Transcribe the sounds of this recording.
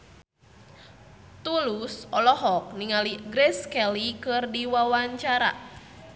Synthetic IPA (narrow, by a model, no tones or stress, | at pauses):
t̪ulusɔlɔɦɔk̚niŋaliɡɾɛskɛlikɨrdiwawaɲt͡ʃaɾa̰